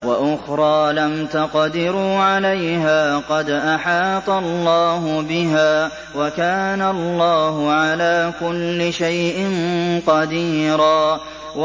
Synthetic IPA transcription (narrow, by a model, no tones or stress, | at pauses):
waʔʊxɾˤɑːlamt̪aqd̪ɪɾuːʕalajɦaːqɑd̪ʔaħɑːt̪ˤɑlˤːɑːɦʊbɪɦaː | wakaːnalˤːɑːhʊʕalaːkʊlːɪʃajʔɪnqɑd̪iːɾaː